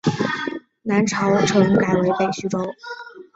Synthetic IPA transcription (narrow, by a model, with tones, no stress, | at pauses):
na˧˥nʈ͡ʂʰɑ˧˥ʊʈ͡ʂʰɤ˧˥ŋka˨˩ɪwe˧˥ɪpe˨˩ɪɕy˥ʈ͡ʂo˥ʊ